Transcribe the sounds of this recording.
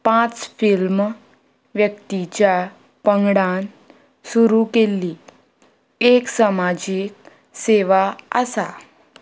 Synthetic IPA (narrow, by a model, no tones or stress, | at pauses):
pãt͡sfilm | ʋjəkt̪it͡ɕja | pəŋɡɽan | suɾukelːi | eksəmad͡ʑiːk̚ | seʋaə̰sa